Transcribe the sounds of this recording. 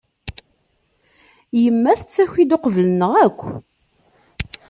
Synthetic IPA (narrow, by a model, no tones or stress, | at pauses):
jəmːæθət͡sːæçid̪oqəvələnəʁækʷː